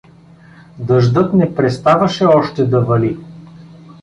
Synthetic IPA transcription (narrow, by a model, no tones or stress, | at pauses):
d̪ɤʒd̪ɤt̪nɛpɾɛst̪avɐʃɛɔʃt̪ɛd̪ɐvɐli